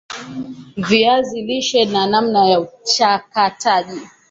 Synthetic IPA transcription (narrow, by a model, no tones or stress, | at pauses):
viaziliʃɛnanam̩najaut͡ʃakataʄi